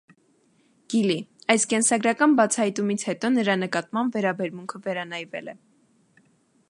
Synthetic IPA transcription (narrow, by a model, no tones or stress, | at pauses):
ɡ̥iliɑjskɛnsɑɡɾɑkɑnbɑt͡sʰɑhɑjt̪umit͡sʰhɛt̪ɔnəɾɑnəkɑt̪mɑmbvɛɾɑbɛɾmuŋkʰəvɛɾɑnɑjvɛ̰lɛ